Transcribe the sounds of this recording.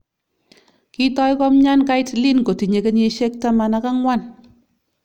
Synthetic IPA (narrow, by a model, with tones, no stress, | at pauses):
ki˦tɔ˦jkɔ˦mɲa˦nka˦jtli˦nko˨ti˨ɲe˨ke˦ɲe˧ʃe˦k̚ta˦ma˨na˧ka˦ŋwa˦˨n